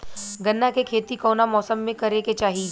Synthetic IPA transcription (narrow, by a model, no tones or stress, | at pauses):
ɡɐnːakekʰeːt̪ikɔːnamɔːsəmːẽkɐɾeket͡ʃaːɦi